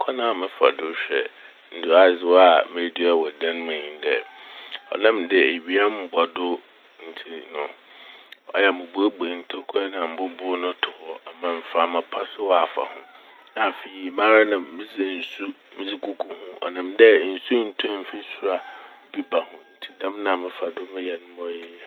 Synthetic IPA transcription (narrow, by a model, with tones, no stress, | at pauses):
kʰɔ˦nã˦˨mɪ̃˦fa̰˨dʊ˦ɕᶣɛ˨ | n̩˨dʊ˨a˨zɪ˨wa˨mẽ˨˦di˦a˦˨wɔ˨dã˦n˦mɪ̃˨ĩ˨ndɛ˨ɔ̰˨nɪ̃˦mdɪ˨e˨ɥi˦a˦m˦bɔ˨dʊ˦ | n̩˨tʰi˦nʊ̃˨ | ɔ̰˦jɛ˦˨mʊ̃˨bʊ˦o˦ɡ͡be˨n̩˨tʰo˦kʰɛ˦nã˨m̩˦bʊ˦bʊ˦nʊ̃˦tʰʊ˨hɔ˦˨a˨mã˨m̩˨fa˨mã˨pʰa˦sɪ˦wɔ˦a˨fa̰˨hʊ̃˦ | na˨fe˨i˨mã˦ɾa˦nã˨mːɪ̃˦zɪ˨n̩˨su˦ | mɪ̃˦zɪ˦kʰu˦kʰu˦hʊ̃˦ʔɔ̰˨nɪ̃˨mdɛ˦n̩˨su˦n̩˦tʰʊ̃˦m̩˦fɪ˦sʊ˨a˨bi˦ba˨hʊ̃˨n̩˨tʰi˦dã˦mnã˨mɪ̃˦fa˨dʊ˦mɪ̃˦jɛ˨nʊ̃˦mɔ̃˦jɛ˦˨